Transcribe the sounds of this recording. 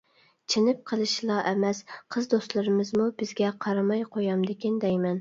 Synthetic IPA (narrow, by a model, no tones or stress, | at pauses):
t͡ʃʰɪnɪp̚qʰəlˠɨʃlˠɑʔɛmɛsqʰəzd̪ost̪lˠɨɾɨmɨzmubɪzɡʲɛqʰɑɾɑmɑjqʰojɑmd̪ɪkʲind̪ɛjmɛn